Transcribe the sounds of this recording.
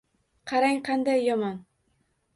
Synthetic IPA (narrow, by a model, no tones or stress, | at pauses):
qʰɑɾaŋqʰɑnd̪ajːɒmɒn